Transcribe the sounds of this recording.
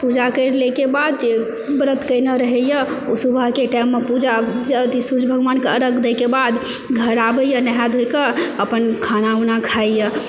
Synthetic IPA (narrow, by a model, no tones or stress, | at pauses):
pud͡ʒakəɾlekebad̪̚d͡ʒe | bɾət̪kəjnəɾəɦəjə | usubʱəɦkeʈamːepud͡ʒad͡ʒət̪isud͡ʒbʱəɡʋankeəɾəkd̪əkebad̪ | ɡʱəɾabəjənəɦad̪ʱojkəəpənkʰanaunakʰajjə